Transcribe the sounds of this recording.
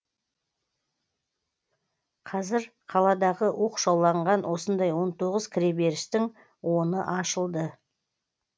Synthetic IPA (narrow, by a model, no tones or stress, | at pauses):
qʰɑzɪɾqʰɑlˠɑd̪ɑʁəʔuqʃolˠːɑɴʁɑnwʔo̞sənd̪ɑjwo̞nt̪ʰo̞ʁəzkʲʰɾʲebe̞ɾɪʃt̪ɪŋ | wʔo̞nəʔɑʃəlˠd̪ə